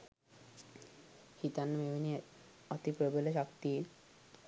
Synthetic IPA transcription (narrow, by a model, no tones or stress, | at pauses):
hit̪anmebini | ɔt̪ipɾobeleʃɔkt̪i